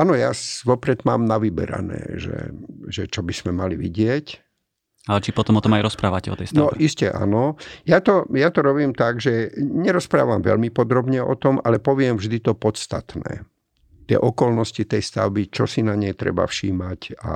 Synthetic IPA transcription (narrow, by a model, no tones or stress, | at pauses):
ʔanɔjasʋɔpɾɛd̪maːmnaʋibɛ̰ɾa̰nɛ̰ːʒɛ̰ʒɛt͡ʃɔbismɛmaliʋḭɟɪɛc | alɛt͡ʃipɔt̪ɔmɔt̪ɔmajɾɔspɾaːʋacɛɔ̰t̪ɛ̰jstnaɔʔiscɛʔa̰nɔjat̪ɔjat̪ɔɾɔβiːmt̪aɡʒɛɲɛɾɔspɾa̰ːʋamʋɛ̰lmipɔd̪ɾɔbɲɛʔɔ̰t̪ɔmalɛpɔʋɪɛmvʒd̪it̪ɔpɔt̪st̪at̪nɛ̰ː | t̪ɪɛ̰ʔɔkɔlnɔscit̪ɛjst̪a̰ʊbit͡ʃɔ̰sinaɲɛjt̪ɾɛ̰ba̰fʃiːmaca̰